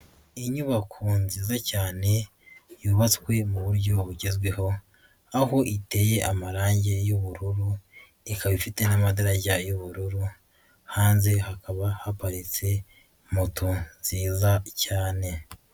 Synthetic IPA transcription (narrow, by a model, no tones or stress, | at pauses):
iɲuβakʰunziːzacaːne̞ | juːβat͡swe̞muβuɾɟo̞βuɟe̞zɡwe̞ɦo̞ | aho̞ʔite̞je̞ʔamaɾaːɲɟe̞juβuɾuɾu | ikaβifite̞namadaɾaɟajoβuɾuɾu | haːnzehakaβahapaɾit͡se̞ | mutunz̥iːzacaːne̞